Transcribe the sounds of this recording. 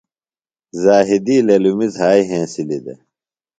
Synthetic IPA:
zaːɦid̪iːlelumizɦaːiɦẽːsilid̪ḛ

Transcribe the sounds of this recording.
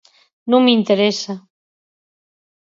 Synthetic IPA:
nũŋmint̪eɾesa

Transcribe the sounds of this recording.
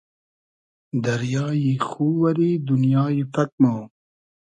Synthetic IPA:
d̪ɐɾjɑːjixuːwɐɾid̪unjɑːjipɐk̚noː

